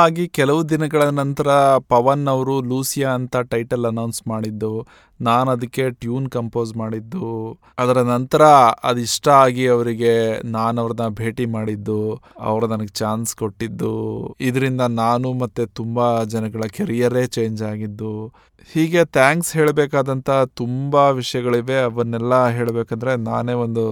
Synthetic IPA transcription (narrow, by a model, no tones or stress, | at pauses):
aːɡikɛlɐʋud̪inɐɡɐɭɐnɐnt̪ɐɾɐpɐʋɐnːɐʋɐɾuluːsijaːnt̪ɐʈɐjʈɐlɐnɐwnsmaːɽid̪ːu | naːnɐd̪ɐkːe̞ʈjuːnkɐmpo̞ːzmaːɽid̪ːu | ɐd̪ɐɾɐnɐnt̪ɐɾɐɐ̰d̪iʂʈɐaːɡiɐʋɐɾiɡe̞naːnɐʋɐɾɐnɐbʱe̞ːʈimaːɽid̪ːuɐ̰ʋɐɾunɐnɐɡet͡ʃaːnsko̞ʈːid̪ːuid̪ɐɾind̪ɐnaːnumɐt̪ːet̪umbɐd͡ʒɐnɐɡɐɭɐkeɾijɐɾe̞ːt͡ʃe̞ːɲd͡ʒaːɡid̪ːu | hiːɡe̞t̪ʰjaːŋksɦeːɭbeːkaːd̪ɐnt̪ʰɐt̪umbɐʋiʂɐjɐɡɐɭiʋe̞ɐʋɐnɛlːɐɦe̞ːɭbeːkɐnd̪ɐɾe̞na̰ːne̞ːʋo̞nd̪u